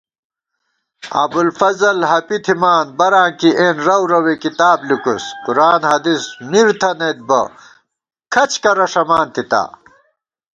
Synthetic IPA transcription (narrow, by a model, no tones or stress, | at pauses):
ɐ̰bulfɐzɐlɦɐpit̪ʰimaːnbɐɾãːkiʔeːnɾɐwɾɐwekit̪aːblikuskuɾaːnhɐd̪ismiɾt̪ʰɐnet̪̚bɐ | kʰɐt͡ɕkɐɾɐʂɐmaːnt̪it̪a̰ː